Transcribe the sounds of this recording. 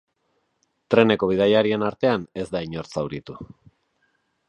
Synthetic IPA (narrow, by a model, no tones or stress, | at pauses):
t̪ɾe̞ne̞ko̞β̞iðajaɾie̞naɾt̪e̞ane̞zd̪aiɲo̞ɾt͡sawɾit̪u